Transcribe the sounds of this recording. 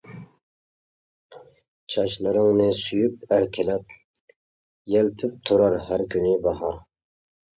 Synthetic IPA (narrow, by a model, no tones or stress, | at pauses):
t͡ʃʰɑʃlˠɨɾɨŋnɨsyjyp̚æɾkʲʰɪlɛp̚ | jɛlp̪ʰyp̚t̪ʰuɾɑɾhæɾkʲʰynɪbɑɦɑɾ